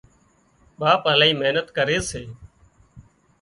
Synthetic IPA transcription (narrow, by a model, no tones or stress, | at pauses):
ɓaːpəlaːiːmeːnət̪kəɾeːseː